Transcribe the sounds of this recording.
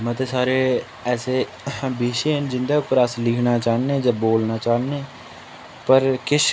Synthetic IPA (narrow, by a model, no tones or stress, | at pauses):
mə̃ːt̪esaːɾeː | ɛːseː | biːʃeːnd͡ʒɪnd̪aːkɾaːslɪkʰnaːt͡ʃaːneːd͡ʒaːboːlnaːt͡ʃaːnẽː | pəɾkɪʃʰ